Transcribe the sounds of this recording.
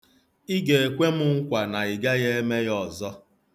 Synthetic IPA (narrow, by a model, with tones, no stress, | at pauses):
i˦ɡe˨e˨kʷe˦mʊ˦ŋ̩˦kʷa˨na˨ɪ˨ɡa˦ɣe˦e˦me˦jɔ˨zɔ˦